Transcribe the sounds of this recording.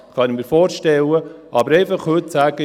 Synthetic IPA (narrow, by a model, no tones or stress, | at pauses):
χʰɑnimiːɾfoːɾʃtɛləʔɑbəɾɛɪfɑχhɵt̪sæːɡ̥ə